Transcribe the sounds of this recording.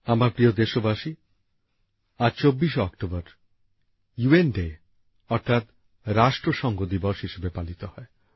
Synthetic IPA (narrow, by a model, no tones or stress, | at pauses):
amaɾpɾiod̪eʃobaʃi | aɾt͡ɕobːiʃeɔkʈobaɾ | juenɖe | ɔɾt̪ʰat̪ | ɾaʃʈɾoʃɔŋɡod̪ibɔʃɦiʃebepalit̪ohɔe